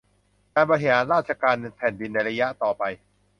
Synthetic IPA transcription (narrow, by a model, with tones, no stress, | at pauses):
kaː˧nbɔː˧ɾi˦ɦaː˩˦nɾaː˥˩t̪̚t͡ɕa˧kaː˧npʰɛː˨˩˦ndi˧nːa˧jɾa˧ja˦˥ʔt̪ɔː˨˩pa˧j